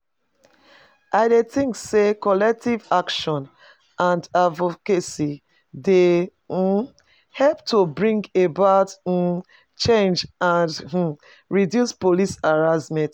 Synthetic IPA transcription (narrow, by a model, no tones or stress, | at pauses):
ʔaɪdetĩŋksekɔlɛk̚tivakʃɔ̃n | ʔãndavokesi | de | hɛlptobɹĩŋɡebaʊt̩ | t͡ʃẽnd͡ʒãn̩ | ɹidjuspolisaɹazmɛ̃t